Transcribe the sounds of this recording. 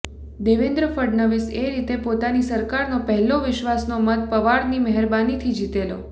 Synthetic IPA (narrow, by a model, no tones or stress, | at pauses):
d̪eʋɪnd̪ɾəfəɖnəʋɪseɾit̪epot̪anisəɾkaɾnopəɦɛloʋɪʃʋasnomət̪̚pəʋaɽniməɦəɾbanit̪ʰid͡ʒit̪elo̰